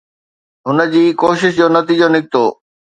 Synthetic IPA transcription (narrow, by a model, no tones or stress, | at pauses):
ɦʊnə̆d͡ʑiːkoːʃɪʃd͡ʑoːnɐt̪iːd͡ʑonɪk̚t̪oː